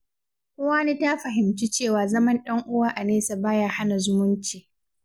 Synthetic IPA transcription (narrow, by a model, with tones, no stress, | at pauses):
kʷʊː˦waː˦niː˦ta˦ɸɐ˨ɦɪ˨mt͡ʃi˦t͡ʃeː˦˨waː˨zɐ˦mɐ˦nɗɐ˦ŋʔʊ˦waː˦ʔa˨neː˦sa˨baː˦jaː˦ha˦na˨zʊ˦mʊ˦nt͡ʃiː˨